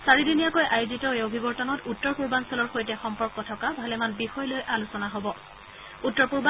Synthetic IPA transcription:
saɹidinijakojʔajʊzitɔeobʱibɔɹtɔnɔtutːɔɹpuɹbansɔlɔɹxojtɛxɔmpɔɹkɔtʰɔkabʱalɛmanbixɔjlojʔalusɔnaɦobɔ | utːɔɹpuɹba

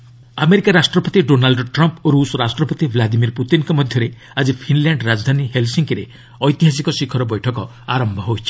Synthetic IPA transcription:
ameɾikaɾasʈɾɔpɔt̪iɖonalɖʈɾɔmpoɾusɔɾasʈɾɔpɔt̪iblad̪imiɾput̪inkɔmɔd̪ʱjɔɾe | ad͡ʒipʰinlaɳɖɾad͡ʒd̪ʱaniɦelsiŋkiɾḛ | ɔjt̪iɦas̬ikɔsikʰɔɾɔbɔjʈʰɔkɔ | aɾɔmbʱɔɦoit͡ʃʰi̥

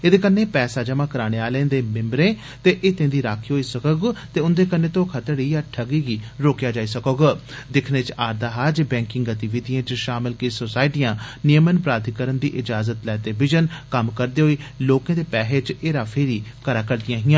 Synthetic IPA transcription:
eːd̪eːkənːeːpɛːsaːd͡ʒəmãːkəɾaːɽ̃eːaːlẽːd̪eːmɪ̃mbɾẽː | t̪eːʔɪt̪ẽːd̪iːɾaːkʰiːɦoːiːsəkoːɡt̪eːʊnd̪eːkənːẽːt̪õːkʰət̪əɽiːaːʈʰəɡiːɡiːɾoːkjaːd͡ʒaːiːsəkoːɡ | d̪ɪkʰneːt͡ʃaːɾd̪aːɦaːd͡ʒbɛ̃ːŋkɪŋɡət̪iʋɪd̪ijãːt͡ʃʃaːmɪlkiːsosaːɪʈijãːnɪjəmənpɾaːd̪ʱikəɾənd̪iːʔɪd͡ʒaːzət̪lɛːt̪eːʋɪd͡ʒənkəmkəɾd̪eːɦoːiːloːkãːd̪eːpɛːɦeːt͡ʃeːɾaːpʰɪɾiːkəɾaːkəɾd̪ɪjãːɦɪjãː

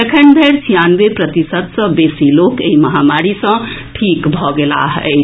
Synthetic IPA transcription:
ekʰend̪ʱeɾsʰijanbeprʌt̪isʌd̪sʌ̃besilokeimʌɦamaɾisʌ̃ʈʰikbʱʌɡela̰ɦj

